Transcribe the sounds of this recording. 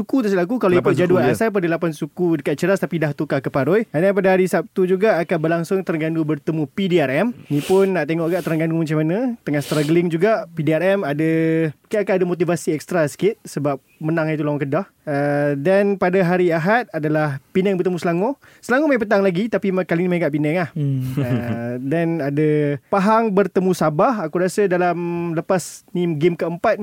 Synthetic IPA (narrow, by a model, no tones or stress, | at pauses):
sukut̪uslakukalaipd͡ʒaduanasap̬adalapansukudəkat̪̚t͡ʃəɾast̪apidaht̪ukakəpaɾɔjanapadaɦaɾisap̚t̪ud͡ʒuɡaʔːkanbərlaŋsʊŋt̪əɾəŋɡandubərt̪əmũpidiarɛmnipʊnːaʔt̪eŋɔʔɡaʔt̪əɾəŋɡandumat͡ʃamanãt̪əŋahst̪ɾaɡəlɪŋd͡ʒuɡapidiaɾɛmadaukinakanadamot̪ivasiɛk̚st̪ɾasə̥kɪt̪̚səbap̚mənãŋit̪ulawaŋkədah | ədanpadaɦaɾiaɦat̪̚adalahpinɛŋbərt̪əmũsəlaŋɔ | səlaŋumajp̬ət̪̬aŋlaɡit̪apimkalinimaikaʔpinɛŋahədanadapaɦaŋbərt̪əmũsabaɦakuɾasədalamləpasniɡɪmkəəmpat̪̚